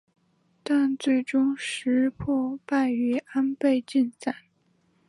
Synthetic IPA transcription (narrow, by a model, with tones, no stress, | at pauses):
t̪a˥˧nt͡swe˥˩ɪʈ͡ʂʊ˥ŋʂɻ̩˧˥pʰɔ˥˧pa˥˩ɪy˧˥a˥npe˥˧ɪt͡ɕi˥˧nt͡sa˥˩˦n